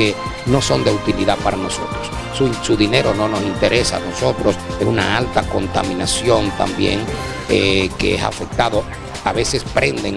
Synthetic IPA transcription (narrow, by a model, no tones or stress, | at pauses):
e | no̞so̞nd̪e̞ut̪iliðapaɾano̞so̞̰t̪ɾos | usuðine̞ɾo̞no̞no̞sint̪e̞ɾe̞sa̰no̞so̞t̪ɾo̞sesunaalt̪ako̞nt̪a̰mĩnasjo̞nt̪a̰mbje̞̰ŋ | ekḛesa̰fe̞k̚t̪aðo̞ | aβe̞se̞spɾe̞nd̪e̞ŋ